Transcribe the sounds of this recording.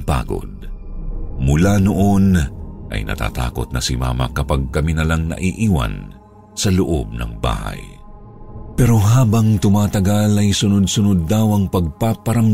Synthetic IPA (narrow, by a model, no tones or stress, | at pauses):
pa̰ːɡo̞̰d̪̚ | mʊlanoʔo̞nʔɐ̰jnɐ̰t̪a̰ːt̪a̰ːko̰t̪̚nɐsɪma̰ːmɐ̰kɐpaɡ̚kɐminɐlaŋnɐ̰ʔiʔiːwɐ̰n | sɐlʊʔo̰b̚nɐ̰ŋba̰ːha̰j | pɛɾo̞ɦaːbɐŋt̪ʊmaːt̪ɐɡalɐjsʊnod̪̚sʊnod̪ːawɐŋpɐɡ̚papɐɾɐm